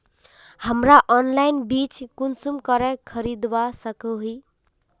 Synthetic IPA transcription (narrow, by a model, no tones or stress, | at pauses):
həmɾaʔɔnlainbit͡ʃkunsumkəɾɛkʰəɾid̪basəkəɦi